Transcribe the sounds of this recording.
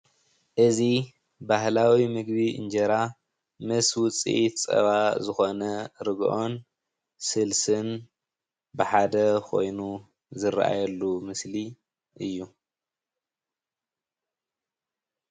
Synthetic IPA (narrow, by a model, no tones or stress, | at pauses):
ʔɨzi | baɦlawimɨɡbiʔɨ̰nd͡ʒɐɾa | mɐswʊt͡sʼḭt͡sʼɐ̰βazɨxo̞nɐɾɨɡʔo̞n | sɨlsɨn | bɨħad̪ɐkʰo̞̰jnu | zɨɾʔa̰jɐlːumɨsli | ʔɨjːu